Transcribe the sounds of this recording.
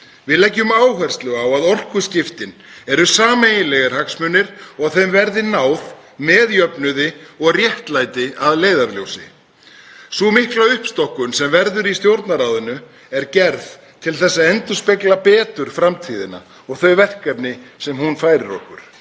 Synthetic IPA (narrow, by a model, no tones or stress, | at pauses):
vɪðlɛcːʏmaːwhɛr̥st̪lʏɣawaðɔr̥kʏscɪft̪ɪnɛɾʏsaːmeːjɪlɛɣaɾ̥haksmʏnːɪɾ̥ɔɣθejmvɛɾðɪnaːwð | mɛːðjœpnʏðɪɔɣrjɛht̪lajt̪ɪʔaðleːjðaɾljo̰wsɪ̰ | sumɪhklaʏhpst̪ɔhkʏnsɛmvɛɾðʏɾist̪jowɾt̪naɾaːwðʏnʏ | ɛɾcɛɾð | t̪ʰɪlθɛsːaɛnt̪uspɛklapɛːt̪ʏɾ̥fɾamt̪ʰiːðɪna̰ | ɔɣθœɥvɛr̥kɛpnɪsɛmhunfaːjɾɪɾɔ̰hkʏɾ̥